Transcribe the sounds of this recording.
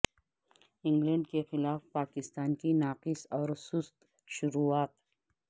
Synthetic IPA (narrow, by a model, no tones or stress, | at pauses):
ɪ̃ŋɡlɛ̃ɳɖkexɪlaːfpaːkɪst̪aːnkinaːqɪsɔːɾsʊst̪ | ʃʊɾuːaːt̪